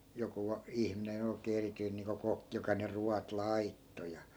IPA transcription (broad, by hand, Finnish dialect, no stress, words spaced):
joku ɑ ihminen oi̯keː erityin niːŋko kokːĭ jokɑ ne ruɑt lɑitːo jɑ